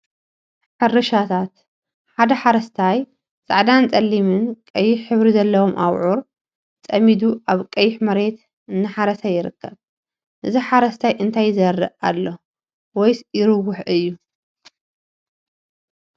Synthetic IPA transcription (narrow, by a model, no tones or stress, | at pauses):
ħɨrːɨʃat̪ʰat̪ | ħad̪ɐħaɾɐst̪ʰaj | sʼa̰ʕd̪ant͡sʼɐlːimɨnkʼɐjːɪħħɨβɾizɐlːɐwomʔawʕuɾ | t͡sʼɐmid̪uʔaβkʼɐjːɪħmɐɾe̞t̪ | ɨnːɨħaɾɐsajɪɾɨkːɐβ | ʔɨziħaɾɐst̪ʰajʔɨnt̪ʰajzɐrːɨ̰ʔalːo | wɔjsjɪɾɨwʊħʔɨjːu